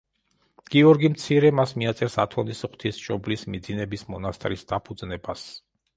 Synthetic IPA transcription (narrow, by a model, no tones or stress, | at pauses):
ɡ̥iɔɾɡimt̪sʰiɾɛmasmiat̪sʼɛɾsat̪ʰɔnisχt̪ʰisʃɔblismid̪zinɛbismɔnast̪ʼɾisd̪apʰud̪znɛbas